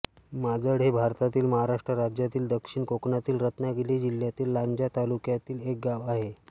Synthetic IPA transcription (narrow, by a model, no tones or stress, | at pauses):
mad͡zəɽɦebʱaɾt̪at̪iːlməɦaɾaʂʈɾəɾad͡ʑjat̪iːld̪əkʂiɳkoknat̪iːlɾət̪naɡelid͡ʑiljat̪iːlːaɲd͡ʑjat̪alukjat̪iːlek̚ɡaʋaɦe